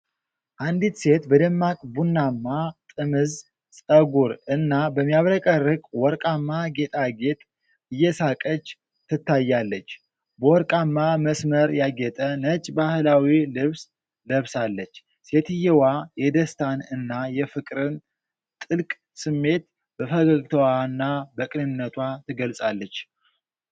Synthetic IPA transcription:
ʔand̪it̪se̞t̪bəd̪əmːakʼbunːamːat̪ʼɨmɨz | sʼəɡuɾɨnːabəmːijaβɾəkʼərːɨkʼwɔɾkʼamːaɡe̞t̪ʼaɡe̞t̪ʼ | ɨjːɛsakʼət͡ʃː | t̪ʰːɨt̪ʰːajːalːət͡ʃː | bəwɔɾkʼamːaməsməɾjaɡɛt̪ʼənət͡ʃʼbahɨlawilɨβs | ləβsalːət͡ʃː | se̞t̪ʰɨjɛwajɛd̪əst̪ʰanɨnːajɛfɨkʼɾɨn | t̪ʼɨlkʼ | sɨmːe̞t̪ | b̥əfəɡəɡt̪ʰəwaɨnːabəkʼɨnɨnːət̪ʰwat̪ʰɨɡəlsʼalːət͡ʃː

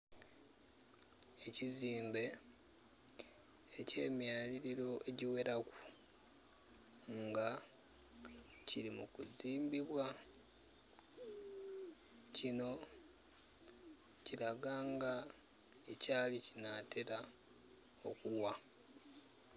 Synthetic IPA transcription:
e̞ciziːmbe̞ | ce̞ːmjaːliɾiɾo̞ʔe̞ɟiwe̞ɾaku̥ | ŋɡa | cilimukuziːmbiβwa | cino̞ | cilaɡaːŋɡa | ecaːlicinatʰe̞ɾa | o̞̰kuwa

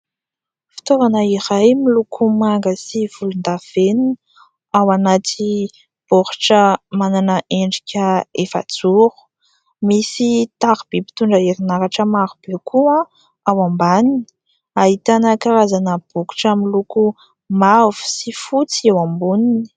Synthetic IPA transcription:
fi̥t̪ovanəiɾajmilukʰumaŋɡəsiv̥ulund̪av̥enin | awanat̪ʰi | b̥oɾu̥ʈ͡ʂəmananəʔeɳɖ͡ʐikʲəefa̰d͡zuɾu̥ | misit̪aɾb̥epi̥t̪uɳɖ͡ʐəeɾinaɾaʈ͡ʂəmaɾub̥ekʰuã | awambanini̥ | aɦit̪anəkaɾazanəb̥uku̥ʈ͡ʂamiluku | mavu̥sifut͡siewambunini̥

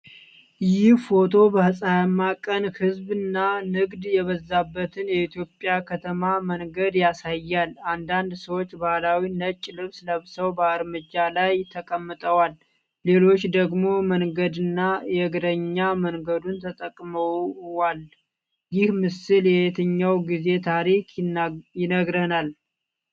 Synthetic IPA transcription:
jɪhfo̞t̪ʰo̞bəhɨsʼajmːakʼənhɨzbɨnːanɨɡd̪jɛβəzːabːət̪ʰɨnjɛit̪ʰjo̞pʼːjakʰət̪ʰəmaməŋɡəd̪jasajːaland̪and̪səwo̞t͡ʃːbahlawinət͡ʃʼːlɨβsləβsəwbəːɾmɨd͡ʒalajt̪ʰːəkʼəmːət̪ʼəwal | le̞lo̞t͡ʃːd̪əɡmo̞məŋɡəd̪ɨnːajɛɡɾəɲːaməŋɡəd̪unt̪ʰət̪ʼəkʼməwwal | jɪhmɨsɨljɛhet̪ʰəɲːawɡize̞t̪ʰaɾikjɪnəɡɾənal

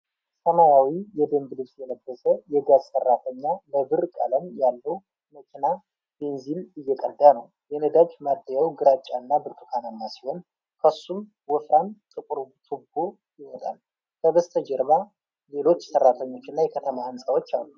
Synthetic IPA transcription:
səmajawijɛd̪əmbɨlɨsjɛləɡːəsəjɛɡazsərːat̪ʰəɲːabəbɨɾkʼa̰ləmjalːəw | məkʰʲʼina | b̥e̞nzinɨjːɛkʼəd̪anəw | jɛnəd̪ad͡ʒmad̪ːəjawɡɨɾat͡ʃʼːanːabɨɾt̪ʰʼukʰananːasi̥ho̞n | kʰəsːum | wɔfɾant̪ʼɨkʼuɾt̪ʰʼɨbo | jɪhod̪a̰l | kʰəbəst̪ʰəd͡ʒɛɾβa | le̞lo̞t͡ʃːsərːat̪ʰəɲːo̞t͡ʃːɪnːajɛkʰət̪ʰəmahɨnsʼəwo̞t͡ʃːa̰lːu

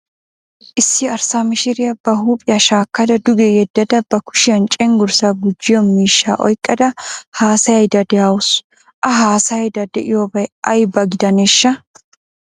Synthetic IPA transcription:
ʔɪsːɪɐɾsaːmɪʃɪɾɪjɐbɐɦuːpʼɪjɐʃaːkːɐd̪ɐd̪ʊɡɛjɛd̪ːɐd̪ɐbɐkʊ̥ʃɪɐnt͡ʃʼɛŋɡʊɾsɐɡʊd͡ʒːɪjɔmiːʃːa̰ːʔɔ̰jkʼːɐd̪ɐhaːsɐjɐjd̪ɐd̪ɛawʊs | ʔɐɦaːsɐjɐjd̪ɐd̪ɛʔɪjobɐjʔɐjbɐɡɪd̪ɐneːʃːɐ

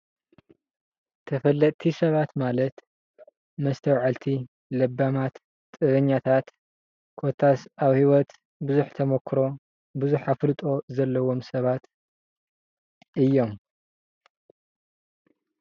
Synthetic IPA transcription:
t̪ʰɐfɐlːɐt̪ʼt̪ʰisɐβat̪malɐt̪ | mɐst̪ʰɐwʕalt̪ʰi | lɐbːamat̪ | t̪ʼːɨβɐɲːat̪ʰat̪ | kʰot̪ʰasaβhiwɔt̪ | bɨzuħt̪ʰɐmɐkʰːɾo̞ | buzuħaflɨt̪ʼo̞zɐlːɐwomsɐβat̪ | ʔɨjːo̞m

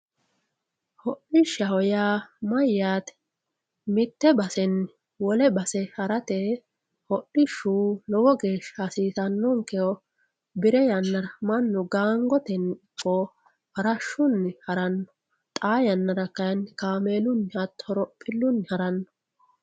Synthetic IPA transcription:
hɔʔɪʃːɐhɔjaːmɐjːaːt̪ɛ | mɪt̪ːɛbɐsɛn | wɔlɛbɐsɛhɐɾɐt̪e | hɔʔɪʃuːlɔwɔɡe̞ːʃasiːsɐnːɔŋkɛɔ | bɪɾɛjɐnːɐɾɐmɐnːɔɡaːŋɡɔt̪ɛnkʼːo | hɐɾɐʃːʊnːɪhɐɾɐnːɔ̥ | t̪ʼaːjɐnːɐɾɐkːɐjnkaːmeːlʊnːɐt̪ːhɔɾɔpʼːɪlːʊnːhɐɾɐnːɔ̥

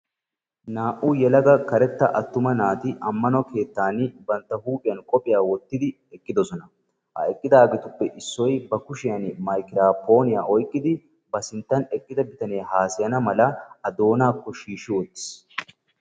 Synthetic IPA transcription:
naːʔujɛlɐɡɐkɐɾɛt̪ːɐʔɐt̪ːʊmɐnaːt̪ɪʔɐmːɐnɔke̞ːt̪ːaːnɪbɐnt̪ːɐhuːpʼɪjɐnkʼɔpʼɪjaːwɔt̪ːɪd̪ɪ | ɛkʼːɪd̪ɔsɔnɐ | ʔɐ̰ɛkʼːɪd̪aːɡɛt̪ʊpːɛʔɪsːɔjbɐkʊʃɪjɐnmɐjkɪɾaːpo̞ːnɪjaːʔɔjkʼːɪd̪ɪ | bɐsɪnt̪ːɐnɛkʼːɪd̪ɐbɪt̪ɐne̞ːɦaːsɪjɐnɐmɐlɐɐd̪o̞ːnaːkːɔʃiːʃɪwɔt̪ːɪ̥s

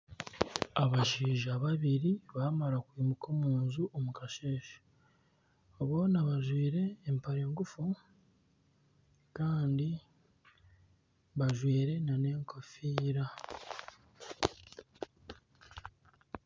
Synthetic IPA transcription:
aβaʃiːʒaβaβiɾiβaːmaɾakwiːmukʰo̞ːmuːnzuʔomukaʃe̞ːʃḁ | βo̞ːnaβaʒwiːɾe̞ːmpaɾeːŋɡufu | kaːndi | βaʒwiːɾe̞nane̞ːŋkofiːɾa

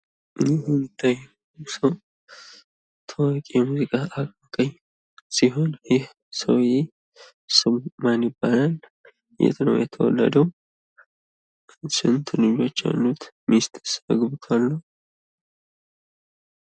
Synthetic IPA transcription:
ʔɨjɛhmɪt̪ʰːaj | səw | t̪ʰəwakʼijɛmuzɨkʼaʔakʼmakʼəɲ | siɦo̞njɪh | səwje | sɨmmanjɪbːalal | jʔɛ̰t̪nə̰wjɛt̪ʰəwɔ̰lːə̰d̪əw | sɨnt̪ʰɨlɨd͡ʒo̞t͡ʃːja̰lːut̪mist̪səɡbɨk̪ʰalːuw

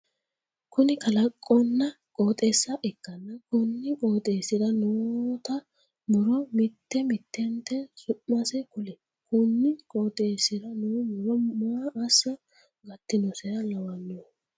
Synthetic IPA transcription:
kʊnɪkɐlɐkʼːɔnːɐ | kʼo̞ːt̪ʼeːsːɐʔɛkːɐnːɐkʊnːɪkʼoːt̪ʼeːsɪd̪ɐnut̪ɐ | mʊɾɔmɪt̪ːɛmɪt̪ʰːɛnt̪ːɛsʊʔmɐsɛkʊlɛ | kʊnːɪkʼoːt̪ʼeːsɪd̪ɐnuːmʊɾɔmaːʔɐsːɐ | ɡɐt̪ːɪnɔsɛɾɐlɐwɐnːɔ

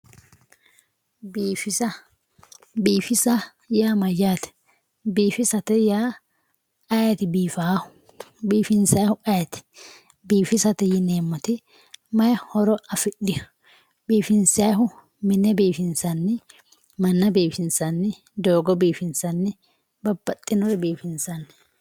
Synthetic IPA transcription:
biːfɪsɐ | biːfɪsɐ | jaːmɐjaːt̪ɛ̥ | biːfɪsɐt̪ɛjaː | ʔɐjɐt̪ɪbiːfaːhʊ̥ | biːfɪnsɐjhʊʔɐjɐt̪ɪ̥ | biːfɪsɐt̪ɛjɪneːmːɔt̪ɪ | mɐjhɔɾɔɐfɪɗɪ | biːfɪnsɐɦʊ | mɪnɛbiːfɪnsɐnːɪ | mɐnːɐbiːfɪnsɐnːɪ | d̪oːɡɔbiːfɪnsɐnːɪ | bɐbːɐt̪ʼːɪnɔɾɛbiːfɪnsɐnːɪ

